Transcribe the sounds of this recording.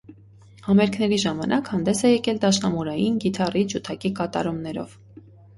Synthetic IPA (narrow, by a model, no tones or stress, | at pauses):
hɑmɛɾkʰnɛɾiʒɑmɑnʔɑkhɑnd̪ɛsɛjɛkɛld̪ɑʃnɑmuɾɑjinɡit̪ʰɑrid͡ʒut̪ʰɑkikɑt̪ɑ̰ɾumnɛɾɔ̰v̥